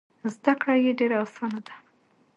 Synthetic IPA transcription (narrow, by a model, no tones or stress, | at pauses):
zd̪akɽajeɖeɾaasɑnad̪ḁ